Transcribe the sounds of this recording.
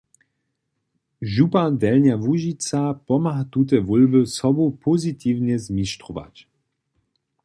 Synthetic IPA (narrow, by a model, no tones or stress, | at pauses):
ʒupand̪ɛlnavuʒit͡sapɔmaɦat̪ut̪̬ɛvɔlbusɔbupʰɔzit̪iːvɲɛzmiʃt̪ɾɔva̰c